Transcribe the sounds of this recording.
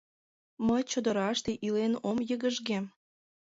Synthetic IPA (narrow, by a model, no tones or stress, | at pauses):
məjt͡ɕod̪əɾɑʃt̪eʔilenomjəɣəʒɣem